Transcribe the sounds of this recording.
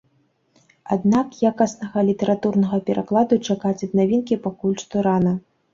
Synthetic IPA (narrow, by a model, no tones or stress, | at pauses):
ad̪nakjakɐsnɐɣɐlʲit̪ɛɾʔat̪urnɐɣɐpʲɛɾʔaklˠad̪ut͡ʂakat͡sʲɐd̪navʲinkʲipakulʲʂt̪ɔɾanɐ